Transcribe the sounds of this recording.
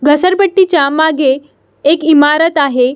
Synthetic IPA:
ɡʱəsəɾbəʈːit͡ɕjamaɡʱeː | kimaɾət̪aɦe

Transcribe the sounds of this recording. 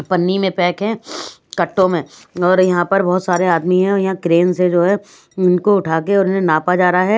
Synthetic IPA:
pɐnːimẽpɛːkɦɛ̃ːkɐʈːõmẽɔːɾjɐɦãpɐɾbɔɦːt̪saːɾeaːd̪miɦɛ̃ɔːɾjɐɦãkɾeːnsed͡ʒoːɦɛ | ʊnkoʊʈʰaːkeɔːɾʊnɦẽnaːpad͡ʒaːɾaɦɛː

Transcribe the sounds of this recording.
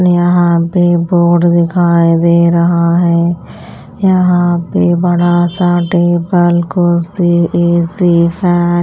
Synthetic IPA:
jɐɦãːpeboːɖd̪ɪkʰaːed̪eːɾɐɦaɦɛ | jəɦãːpebəɽasaːʈeːbəlkʊlsieːsipʰɛː

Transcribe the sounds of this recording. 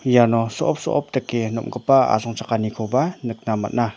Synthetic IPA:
janɔsɔʔɔp̚sɔʔɔp̚takenɔ̰mɡəpaa̰zɔŋt͡ʃʰakanikʰobanɯk̚nama̰t̚na

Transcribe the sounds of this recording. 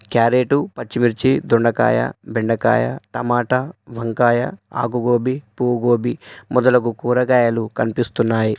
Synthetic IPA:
kjaːɾeːʈupɐt͡ʃːimiɾt͡ʃid̪uɳɖɐka̰ːjɐ̰biɳɖɐka̰ːjɐ̰t̪ɐmaːʈɐʋɐŋkaːjɐa̰ːkuɡoːbipuːɡoːbimɔd̪ɐlɐk̬ukuːɾɐɡaːjɐlukɐnipist̪unːaːji

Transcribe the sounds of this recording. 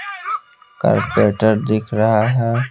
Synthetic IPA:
ka̰ɾpeːʈəɾd̪ɪkʰɾɐɦaɦɛː

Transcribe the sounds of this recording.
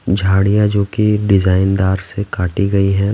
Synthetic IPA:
d͡ʒʱaːɽijãd͡ʒoːkiɖɪzaːɪnd̪aːɾsekaːʈiɡɐiɦɛ̃ː

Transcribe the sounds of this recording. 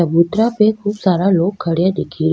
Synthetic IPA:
əbut̪ɾapekʰuːbsaɾalok̚ɡʰʱəɽjad̪ekʰil

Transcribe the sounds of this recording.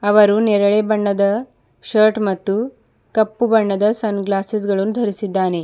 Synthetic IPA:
ɐʋɐɾunɛɾɐɭebɐɳːɐd̪ɐ | ʃɐːɾʈmɐt̪ːu | kɐpːubɐɳːɐd̪ɐsɐnɡlaːsis̬ɡɐɭɐnːud̪ʱɐɾisid̪ːaːne̞

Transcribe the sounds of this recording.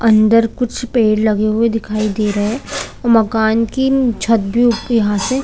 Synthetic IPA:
ɐ̃nd̪əɾkʊt͡ʃʰpeːɽlɐɡeɦued̪ɪkʰaːid̪eːɾɐɦeɛɔːɾmɐkaːnkit͡ʃʰɐt̪̚bʱijɐɦãse

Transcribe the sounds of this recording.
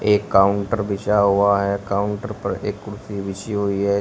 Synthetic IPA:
eːkkːaːʊɳʈəɾbɪʃaɦʊaɦɛkaːʊɳʈəɾpəɾḛːkːʊɾsibɪʃiɦoiɦɛː

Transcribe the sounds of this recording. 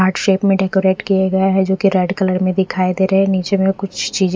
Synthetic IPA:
aːɾʈʃeːpmẽɖeːkoɾeːʈkijaɡɐjaɦɛd͡ʒoːkiɾɛːɖkɐləɾmẽd̪ɪkʰaːid̪eːɾɐɦɛniːt͡ʃemẽkʊt͡ʃʰt͡ʃiːz

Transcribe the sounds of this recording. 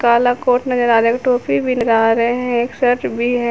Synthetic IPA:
kaːlakoːɾʈnɐd͡ʒəɾaːɾeːkʈoːpibʱinəɾaːɾeɦɛ̃eːksɐɾʈbʱiɦɛ

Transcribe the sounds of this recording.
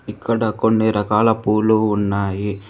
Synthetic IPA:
ikːɐɽɐkonːiɾɐkaːlɐpuːluːnːaːji

